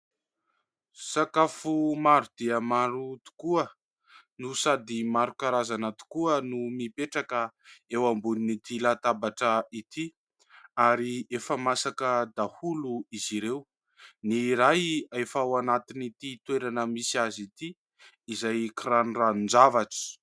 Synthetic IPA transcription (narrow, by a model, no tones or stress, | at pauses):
sakafumaɾud̪̥iəmaɾut̪u̥kuə | nusad̪imaɾukaɾazanat̪u̥kuənumipeʈ͡ʂakəewambuninit̪ilat̪abaʈ͡ʂəit̪i | aɾiefəmasakəd̪ahuluiziɾew | niɾajefawanat̪init̪it̪weɾanəmisiazit̪i | izajkiɾanranund͡zavaʈ͡ʂi̥